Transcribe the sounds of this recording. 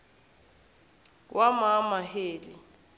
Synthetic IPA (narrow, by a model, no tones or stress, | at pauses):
wamamaheːli